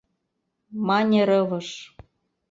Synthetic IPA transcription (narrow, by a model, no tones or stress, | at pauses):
mɑnʲeɾɤvɤ̆ʃ